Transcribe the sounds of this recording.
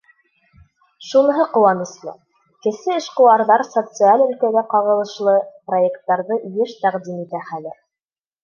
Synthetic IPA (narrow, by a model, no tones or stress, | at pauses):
ʃunɤ̆ɦɤqŏwɑnɤ̆slˠɤ̰ | kɘ̆sɘɘ̆ʃqɤ̆wɑɾðɑɾsot̪sɨalɵ̆lkæɡæqɑʁɤ̆lˠɤ̆ʃlˠɤprojekt̪ːɑɾðɤjɘʃt̪æqd̪imit̪æχælɘɾ